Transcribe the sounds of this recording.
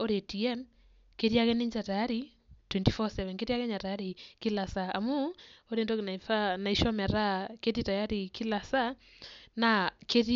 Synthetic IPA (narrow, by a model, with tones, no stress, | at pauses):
o˦ɾe˨tiɛ˦m | ke˦ɾja˦kɛnɪ˦ɲd͡ʒa˨taja˦ɾi | twɛntifɔsɛvɛ˨nke˦ɾja˦kɛ˦ɲa˨taja˦ɾi˨ki˦la˨saa˨mu˦o˦ɾe˨ndo˦kna˨fa˦na˨i˨ʃɔ˦mɛ˨ɾa˦ke˦tita˨ja˦ɾi˨ki˦la˨sa˦ | na˨ke˦ɾ